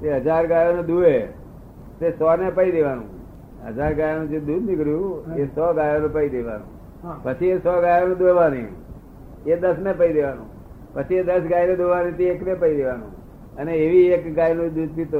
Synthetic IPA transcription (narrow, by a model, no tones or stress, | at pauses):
eɦəd͡ʒaɾɡajoned̪ue | t̪esɔnepəid̪eʋanṵ̃ | ɦə̰d͡ʒaɾɡajonũd͡ʒed̪ud̪nikəɾjũesɔɡajonẽpəid̪eʋa̰nṵ̃ | pət͡ʃʰiesɔɡajoned̪oʋanḭ̃ | ed̪əsnepəid̪eʋanṵ̃ | pət͡ʃʰied̪əsɡajned̪oʋanĩt̪eːknepəid̪eʋanṵ̃ | əneːʋiekɡajnũd̪ud̪pit̪o